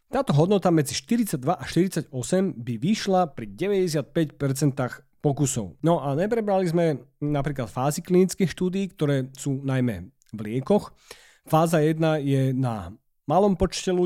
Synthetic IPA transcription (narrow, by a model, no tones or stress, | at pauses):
t̪aːt̪ɔɦɔd̪nɔt̪amɛd͡ziʃt̪iɾit͡sad̪ʋaʔaʃt̪iɾit͡saɟɔsɛmbiʋiʃlapɾiɟɛʋɛɟɛsɪat̪̚pɛcpɛɾt͡sɛnt̪aːx | pɔkusɔ̰ʊnɔʔaɲɛp̬ɾɛbɾalizmɛnapɾiːklat̪faːziklinit͡skixʃt̪uːd̪iːkt̪ɔɾɛːsuːnajmɛ̰ | vlɪɛkɔx | faːzajɛd̪najɛna | malɔmpɔt͡ʃcɛlu